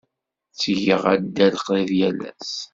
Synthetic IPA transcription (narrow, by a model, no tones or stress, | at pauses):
t͡sːʝəʁæd̪ːælqðiðjælæ̰s